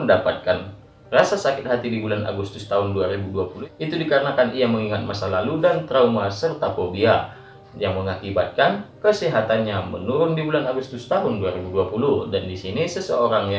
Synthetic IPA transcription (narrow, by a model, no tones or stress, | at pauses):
əndapat̪̚kan | rasasakɪt̪̚ɦat̪idibulana̰ɡust̪ʊst̪aɦʊnduaɾibuduapulʊhit̪udikaɾənakanijaməŋiŋat̪̚masalaludant̪ɾaumasərt̪apobia | jaŋməŋakibat̪̚kankəsiɦat̪anɲamənuɾʊndibulanaɡust̪ʊst̪aɦʊnduaɾibuduapulʊhdandisinisəsəoɾaŋja